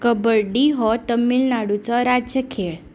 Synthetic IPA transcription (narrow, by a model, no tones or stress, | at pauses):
kəbəɾɖiɦɔt̪əmːiːlnaɽut͡sɔɾad͡ʑjəkʰeɭ